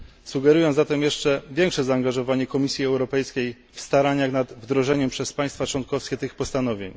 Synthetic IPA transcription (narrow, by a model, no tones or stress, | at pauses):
suɡɛɾujɔ̃zat̪ɛmjɛʂt͡ʂɛvʲjɛŋkʂɛzaːŋɡaʐɔvaɲɛkɔmʲisʲjiɛwɾɔpɛjskʲej | fst̪aɾaɲaxnad̪vd̪ɾɔʐɛɲɛmpʂɛspaj̃st̪fat͡ʂwɔnkɔfskʲɛt̪ɘxpɔst̪anɔvʲjḛɲ